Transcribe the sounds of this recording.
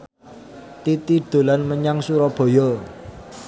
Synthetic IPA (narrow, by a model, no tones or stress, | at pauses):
t̪it̪id̪̥o̤lanməɲaŋsuɾɔb̥o̤jɔ